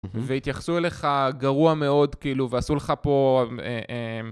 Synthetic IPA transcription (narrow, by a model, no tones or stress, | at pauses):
veit̪jaχsuele̞χaɡaʁuame̞o̞dkiiːluveasuleχapo̞eʔem